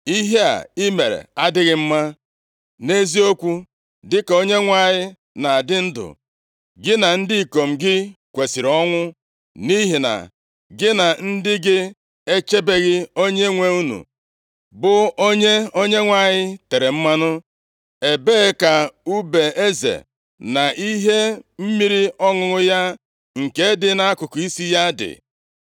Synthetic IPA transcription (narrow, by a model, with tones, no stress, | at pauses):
i˦ɦe˦a̰˨i˦me˨ɾḛ˨a˦dɪ˦ɣɪ˦m̩˦ma˦ | ne˦zi˦o˦kʷu˦ | dɪ˦ko˦ɲe˦ŋʷa˦˨ɲɪ˦ | na˨a˨dɪ˦n̩˦dʊ̰˨ | ɡɪ˦na˨n̩˦dɪ˦i˨ko˨m̩˨ɡɪ˦kʷe˨si˨ɾɔ˦ŋʷʊ˦ | ni˦ɦi˨na̰˨ | ɡɪ˦na˨n̩˦dɪ˦ɡɪ˦ | e˦t͡ʃe˦be˦ɣɪ˦o˦ɲe˦ŋʷe˦u˦nṵ˨ | bʊ˨o˦ɲe˦o˦ɲe˦ŋʷa˦˨ɲɪ˦te˨ɾe˨m̩˦ma˦nʊ˦ | e˨be˦ka˨u˦be˨e˦zḛ˨ | na˨ʔi˦ɦe˦m̩˦mi˦ɾi˦ɔ˦ŋʊ˨ɾʊ˦ja˦ | ŋ̩˨ke˦dɪ˦na˨a˦kʊ˨kʊ˨i˦si˦ja˦dɪ̰˨